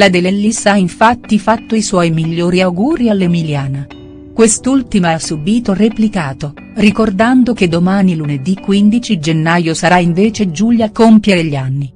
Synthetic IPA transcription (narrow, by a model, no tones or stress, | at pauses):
lad̪elːelːisaiɱfat̪ːifat̪ːoiswɔjmiʎːoːɾiawɡuːɾialːemiljaːna | kwest̪ult̪imasːubiːt̪oreplikaːt̪o | rikord̪and̪ok̟ed̪ːomaːniluned̪ikːwind̪it͡ʃid͡ʒenːajosaɾaiɱveːt͡ʃed͡ʒuʎjakompjeɾeʎːianːi